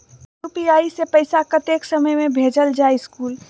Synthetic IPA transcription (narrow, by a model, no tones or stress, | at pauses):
upijaːisepəɪsakət̪eːksəməjmẽbʱeːd͡ʒəld͡ʒaːeɪskuːl